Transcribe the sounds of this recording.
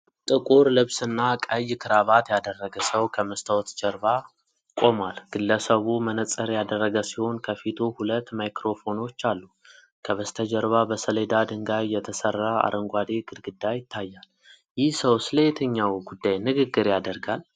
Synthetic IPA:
t̪ʼɨkʼuɾlɨβsɨnːakʼəjkʰɨɾaβat̪jad̪ərːəɡəsəwkʰəməst̪ʰəwɔt̪d͡ʒəɾba | kʼo̞malɡ̥ɨlːəsəβumənət͡sʼəɾjad̪ərːəɡəsiho̞nkʰəfit̪ʰuhulət̪ːmajkɾo̞fo̞no̞t͡ʃːalːu | kʰəβəst̪ʰəd͡ʒəɾβabəsəled̪ad̪ɨŋɡajːɛt̪ʰəsərːaa̰ɾəŋɡʷad̪e̞ɡɨd̪ɡɨd̪ːajɪt̪ʰːajːal | jɪhsəwsɨləjɛt̪ʰəɲːawɡud̪ːajnɨɡɨɡːɨɾjad̪əɾɡal

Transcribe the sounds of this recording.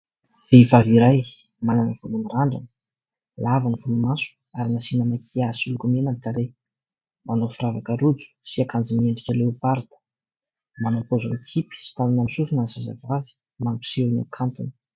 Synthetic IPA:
v̥evaviɾaj | malanv̥ulumiraɳɖ͡ʐanə̥ | lavanivulumasu̥ | aɾinasinəmakʰiasulukumenanik̪aɾe | manofiravakəɾud͡zu̥siakand͡zimieɳɖ͡ʐikʲəleupaɾd̪ə̥ | manopozoekʰipi̥si̥t̪anunamisufinasaza̰vavi̥ | mampu̥sewna̰kʰant̪unə̥

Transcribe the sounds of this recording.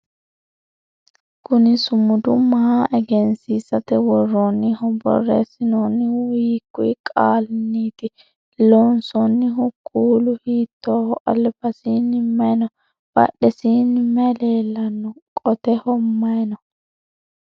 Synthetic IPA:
kʊnɪsʊmʊd̪ʊmɐhaʔɛɡɛnsiːsɐt̪ɛwɔrːɔnːɪhɔbɔ̰rːḛːsɪnoːnːɪwiːkːʊjɪkʼaːlniːt̪ɪ | loːnsɔnːɪɦʊkʰːuːlʊhiːt̪ːoːhɔʔɐlːbɐsiːnɪmːɐjnɔ | b̥ɐ̰ɗɛsiːnɪmɛle̞ːlːɐnːɔkʼɔt̪ɛhɔmːɐjnɔ

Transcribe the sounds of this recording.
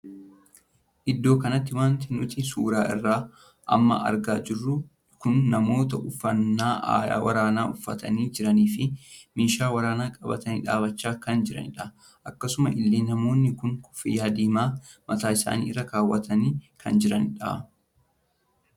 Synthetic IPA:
ʔɪd̪ːo̞ːkɐnɐt̪ːɪwaːnt̪ɪnʊt̪ɪsuːɾaːʔɪ̰rːaː | ʔɐ̰mːɐ̰ʔɐ̰ɾɡaːd͡ʒɪrːʊ | kʊnːɐmo̞ːt̪ɐʊfːɐnːaːʔa̰ːja̰ːwʔɐ̰ɾaːnaːʔʊfːɐ̰t̪ɐ̰niːd͡ʒɪɾɐniːfɪmɪnʃaːwɐɾaːnaːkʼɐbɐ̰t̪ɐnḭːᶑa̰ːbɐt͡ʃːaːkɐnd͡ʒɪɾɐ̰nɪᶑɐ | ʔɐkːɐsʊmɐʔɪlːeːnːɐmo̞ːnːɪkʊnʊ̥fɪjaːd̪iːmaːmɐt̪aːɪsa̰ːnḭːɪrːɐkaːwːɐt̪ʰɐniːkʰɐ̰nd͡ʒɪɾɐnɪᶑa̰

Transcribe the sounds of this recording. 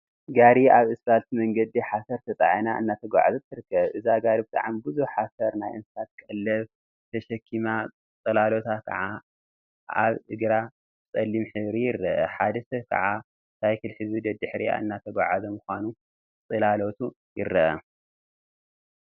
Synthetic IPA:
ɡaɾiaβɨsbalt̪ʰimɐŋɡɐd̪iħasɐɾt̪ʰɐt̪ʼa̰ʕinaʔɨ̰nːat̪ʰɐɡʷa̰ʕa̰zɐt̪ʰɨɾɨkʰːɐβʔɨzaɡaɾibɨt̪ʼa̰ʕambɨzuħasɐɾnajʔɨnsɨsat̪̚kʼɐlːɐβ | t̪ʰɐʃɐkʰːima | t͡s̪ʼɐlalo̞t̪ʰakʰɐ̰ʕa | aβɨɡɾa | t͡sʼɐlːimħɨβɾijɪrːɐʔɐħad̪ɐsɐkʰɐ̰ʕa | t̪ʰajkɨlħɨzud̪ɐd̪ɨħɾḭa̰ɨ̰nːat̪ʰɐɡʷa̰ʕazɐmuxʷanu | t͡sʼɐlalo̞t̪ʰu | jɪɾːɐʔɐ̰

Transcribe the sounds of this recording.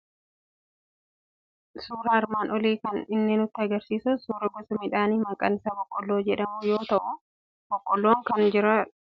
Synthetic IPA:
suːɾɐɐɾmaːnʔɔliːkɐnɪnːeːnʊt̪ːɪɐɡɐɾsiːsʊsuːɾɐbɔsɐmɪᶑaːniːmɐŋkʼɐnɪsɐbɔkʼːɔlːoːd͡ʒɛᶑɐmʊjo̞ːt̪ɐʔʊ | b̥ɔkʼːɔlːoːŋkɐnd͡ʒɪɾɐ

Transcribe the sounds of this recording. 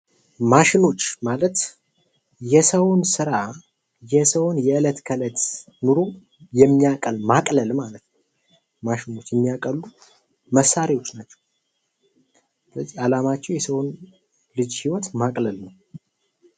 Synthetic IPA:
maʃɪno̞t͡ʃːmalət̪ | jɛsəwnsɨɾa | jɛsəwonjɛɨlət̪kʰələt̪ | nɨɾo | jɛmːijakʼəlmakʼləlmalət̪nəw | maʃɪno̞t͡ʃːjɛmːijakʼəlːu | məsːaɾiwo̞t͡ʃːnat͡ʃːɛ̥w | ləzːialamat͡ʃːɛwjɛsəwon | lɨd͡ʒhiwɔt̪makʼləlnəw

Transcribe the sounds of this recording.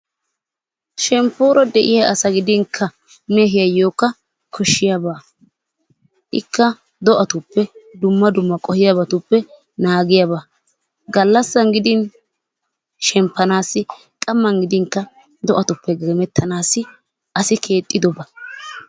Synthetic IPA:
ʃɛmpːuːɾɔd̪ɛʔɪjɐʔɐsɐɡɪd̪ɪŋkʰːɐ | meɦɪjɐjo̞ːkːɐ | kʰɔʃːɪjɐbaː | ʔɪkːɐ | d̪ɔʔɐt̪ʊpːɛd̪ʊmːɐd̪ʊmːɐkʼɔhɪjabɐt̪ʊpːɛ | naːɡɪjaba | ɡɐlːɐsːɐnɡɪd̪ɪn | ʃɛmpːɐnaːsːɪ | kʼɐmːɐŋɡɪd̪ɪŋkːɐ | d̪ɔʔɐt̪ʊpːɛɡɛmɛt̪ːɐnaːsɪ | ʔɐsɪkʰe̞ːt̪ʼːɪd̪ɔbɐ

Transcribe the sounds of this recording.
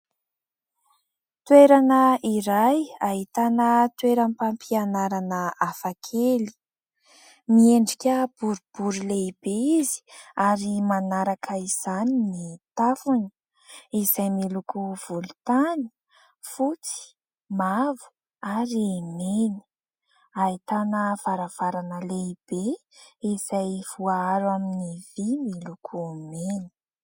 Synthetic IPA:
t̪weɾanəʔiɾajaɦit̪anət̪weɾəmipampianaɾanəafakʰeli̥ | mieɳɖ͡ʐikʲəb̥uɾub̥uɾileib̥eizi̥aɾimanaɾakʰəiz̥aninit̪afunə | izajmilukuv̥ulut̪ani̥ | fut͡si̥ | mavu̥ | aɾiemeni̥ | ait̪anəv̥aɾav̥aɾanəleib̥eizajv̥uaaɾaminivimilukʰumeni̥

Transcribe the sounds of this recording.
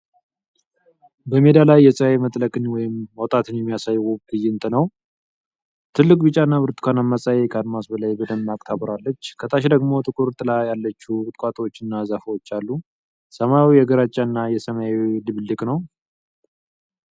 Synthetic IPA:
bəme̞d̪alajːɛsʼəemət̪ʼləkʼɨnwɔjɪmɔt̪ʼat̪ʰɨnjɛmːijasajːwuɡɨjːɪɨnt̪ʼɨnəw | t̪ʰɨlːɨkʼbɨt͡ʃʼːanːaβɨɾt̪ʰɨ̥kʰanamːasʼajekʰad̪masbəlajbəd̪əmːakʼt̪ʰaβɾalːət͡ʃːkʰət̪ʰʼaʃd̪əɡmo̞t̪ʼɨkʼuɾt̪ʰʼɨlajalːət͡ʃːukʼɨt̪ʼkʼat̪ʼwot͡ʃːɨnːazafəwot͡ʃːalːu | səmajwijɛɡəɾat͡ʃʼːanːajɛsəmajilɨβlːɨkʼnəw

